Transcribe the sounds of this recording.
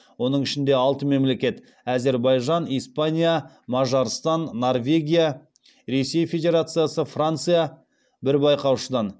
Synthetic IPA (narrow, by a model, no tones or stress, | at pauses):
wo̞nəɴɪʃɪnd̪e̞ɑlˠt̪əme̞mle̞kʲe̞t̪ | æze̞ɾbɑjʒɑnijspanʲija | mɑʒɑɾst̪ɑnːo̞rvʲe̞ɡʲija | ɾe̞se̞jfʲe̞dʲe̞ɾat̪sɨjasəfrant̪sɨja | bɪɾbɑjqɑwʃəd̪ɑn